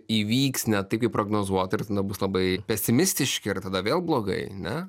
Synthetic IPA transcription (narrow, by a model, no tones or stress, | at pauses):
iːʋʲiːksnʲɛt̪ɐɪpkɐɪpɾoːɡnoːzuɔt̪ɐɪrt̪ɐd̪ɐbʊslˠɐbɐɪpʲɛsʲɪmʲɪsʲt̪ʲɪʃʲkʲɪɪɾt̪ɐd̪ɐʋʲeːlˠblˠoːɡɐ̰ɪnʲɛ